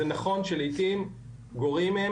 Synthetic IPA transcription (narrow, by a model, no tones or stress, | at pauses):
enaχo̞nʃelijt̪im | ɡo̞ʁimee